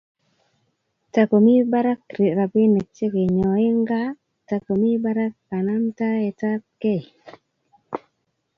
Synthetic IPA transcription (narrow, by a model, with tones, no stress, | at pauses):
ta˨ko˨mi˦ba˦ɾa˦kɾi˨ɾa˨bɪ˦nɛ˨t͡ʃe˦ke˨ɲɔ˨ɪ˦ŋɡa˦ | ta˨ko˨mi˦ba˦ɾa˦kːa˨na˦mta˦e˨ta˦ke˦˨j